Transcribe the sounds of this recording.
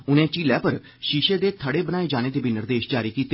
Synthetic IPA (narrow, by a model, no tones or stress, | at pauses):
ʊnẽːt͡ʃiːlɛːpəɾ | ʃiːʃeːd̪eːt̪ʰəɽeːbənaːeːd͡ʒaːñeːd̪eːbʱɪnəɾd̪eːʃd͡ʒaːɾiːkiːt̪